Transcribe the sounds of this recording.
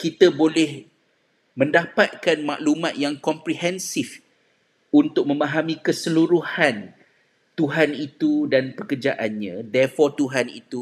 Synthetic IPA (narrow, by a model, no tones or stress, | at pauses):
kit̪əbolɛh | mə̃ndapat̪̚kanma̰ʔlumãt̪̚jaŋkɔmpɾiɦɛnsɪf | unt̪ʊk̚mə̃mãɦamĩkəsəluɾuhan | t̪uɦanit̪udanpəkərd͡ʒaʔanɲãdɛrfɔrt̪uɦanḭt̪u